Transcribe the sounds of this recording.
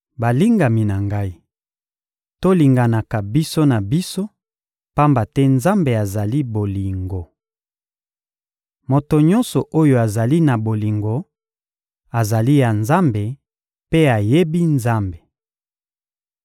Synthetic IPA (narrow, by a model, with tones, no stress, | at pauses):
ba˨li˦ŋɡa˨mi˨na˨ŋɡa˦i˦ | to˦li˨ŋɡa˨na˨ka˨bi˦so˦na˨bi˦so˦ | pa˦mba˨tɛ˦nza˦mbe˨a˨za˨li˦bo˨li˨ŋɡo˨ | mo˨to˨ɲɔ̃˦nsɔ˨ʔo˦jo˨a˨za˨li˦na˨bo˨li˨ŋɡo˨ | a˨za˨li˦ja˨nza˦mbe˨ | pe˦a˨je˦bi˦nza˦mbe˨